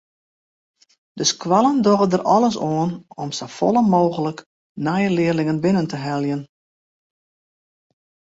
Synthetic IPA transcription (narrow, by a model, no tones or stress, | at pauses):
d̥əskwalˠəndoɣədərɔlˠəs̬oːənɔmsəfɔ̰lˠəmoːɣələk | najəlɪːərlɪŋənbɪnəntəɦɛlˠjən